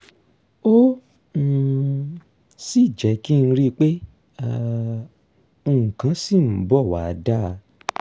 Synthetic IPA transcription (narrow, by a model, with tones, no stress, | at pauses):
o˦˨ | si˦˨d͡ʒɛ˨˦ki˦˧n̩˧ɾi˦˧k͡pe˦ | a˧ | o˧˨ŋ̩˨kã˨˦si˦˨m̩˨˦bɔ˦˨wa̰˨˧da˦˨˧